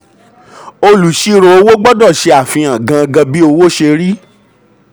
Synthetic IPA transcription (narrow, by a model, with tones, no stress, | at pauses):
o˧lu˨ʃi˧ɾo˨o˦wo˦ɡ͡bɔ˦dɔ˦˨ʃe˧a˦˨fĩ˧ã˨ɡã˧ɡã˧bi˦o˧wo˦ʃe˧ɾi˦